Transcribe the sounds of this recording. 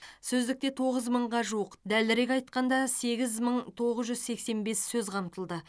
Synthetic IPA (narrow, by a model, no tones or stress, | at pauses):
sɵzd̪ɪk̚t̪e̞t̪ʰo̞ʁəzməɴʁɑʒuwəqd̪ælɪɾe̞kʲɑjt̪̚qɑnd̪ɑse̞ɡʲɪzməɴt̪ʰo̞ʁəzʒʏzse̞kse̞nbe̞sːɵzqʰɑmt̪əlˠd̪ə